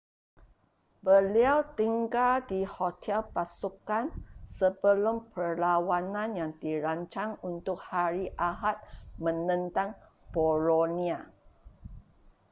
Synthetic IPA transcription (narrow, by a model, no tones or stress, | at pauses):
bəliawt̪iŋɡaldihot̪ʰɛlpasukansəbəlumpərlawanãnjaŋdiɾaɲt͡ʃaŋunt̪ʊk̚haɾiʔaɦat̪̚mə̃nə̃nt̪aŋ | b̥oɾonĩa